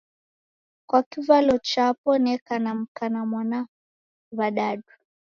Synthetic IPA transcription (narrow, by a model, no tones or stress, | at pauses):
kwakivalɔt͡ʃapɔnɛkanam̩kanamwana | βaɗaɗu